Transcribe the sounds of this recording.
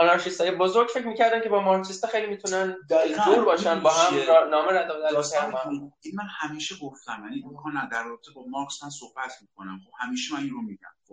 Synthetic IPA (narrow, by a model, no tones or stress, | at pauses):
ɒnɑɾʃist̪ɒːjebozoɾɡɟfecʰɾmiːcʰæɾd̪æmcʲʰe̞bɒːmɒɾksist̪ɒxejlimiːt̪ʰunænd̪d͡ʒuːɾbɒːʃænbɒːɦæmnɒːmeɾæd̪ɒd̪æɒæɾainmænhæmiːʃeɡoft̪æmjæniɡoxɑnæd̪æɾrɒːbet̪ʰebɒːmɑɾksmænsohbæt̪ʰmikʰonæmxob̥hæmiːʃemæninɾomid̪æ̰m